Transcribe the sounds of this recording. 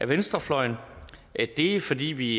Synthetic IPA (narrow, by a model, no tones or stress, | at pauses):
æʋensd̥ʁɐflɒ̽ɪn | d̥e̝fɒ̽d̥ḭːʋi